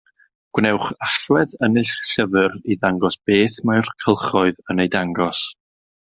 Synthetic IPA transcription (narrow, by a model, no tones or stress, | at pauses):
ɡ̥wnɛwχaɬwɛðənɪɬɬəvɨɾiðaŋɡɔsb̥eːθmajrkʰəlˠχɔɨðənejdaŋɡɔs